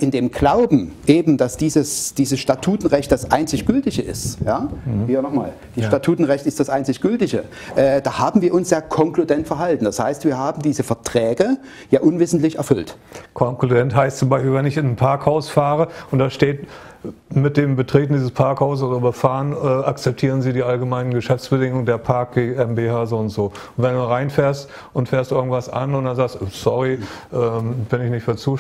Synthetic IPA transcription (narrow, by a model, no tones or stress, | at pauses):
ʔɪndeːmɡ̥laʊbm̩ʔeːbm̩d̥asd̥iːzəsd̥iːzəsʃtatʰuːtn̩ʁɛçt̚d̥asʔaɪnt͡sɪçɡ̥ʏltɪçəʔɪ̰stjaːviːɐnɔχma̰ːl | d̥iːʃtatʰuːtn̩ʁɛçtɪstd̥asʔaɪnt͡sɪçɡ̥ʏltɪçə | ʔɛːd̥aːhaːbm̩viːɐʔʊnsjaːkʰɔŋkludɛntfɛɐɦaltn̩d̥ashaɪstv̥iːɐɦaːbm̩diːzəfɛɐtʁ̥ɛːɡə | jaːʔʊnvɪszn̩tlɪçɛ̰ɐfʏltkʰɔŋkludɛntɦaɪstt͡sʊmbaɪʃpilvɛnɪçɪnnpʰaɐkhaʊsfaːʁəʔʊntd̥aʃteːt | mɪt̚d̥eːmbətʁ̥eːtn̩diːzəspʰaɐkhaʊssʔoːdɐbəfaːʁənɛʔak̚t͡sɛp̚tʰiːʁ̞ənziːdiːʔalɡəmaɪnənɡəʃɛft͡sb̥ədɪŋʊŋədeːɐpʰaɐk̚ɡ̥eːɛmbehaːzoʊntz̥oː | ʊntv̥ɛnduːʁaɪnfeːɐst | ʔʊntfeːɐstuʔɪɐɡŋ̩tv̥asʔa̰nʊntd̥anzaːkstsɔʁiʔɛːbɪnɪçnɪçtfyːɐt͡suː